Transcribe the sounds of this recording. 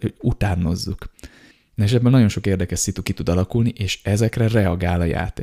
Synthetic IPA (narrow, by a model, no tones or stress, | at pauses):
out̪aːno̞zːuk̪ | ɛʃɛd̪bønnɒɟo̞nʃo̞keːrd̪ɛkɛʃsit̪ukit̪ud̪ɒlɒkulniʔeːʃɛzɛkrɛrɛɒɡaːlɒja̰ːt̪ḛː